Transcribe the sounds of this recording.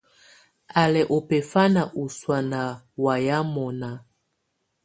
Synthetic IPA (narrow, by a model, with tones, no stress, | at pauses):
a˨lɛ˨ʔo˨pɛ˨fa˦na˨ʔu˨swa˨na˨ | wa˨ja˦mɔ˨na˨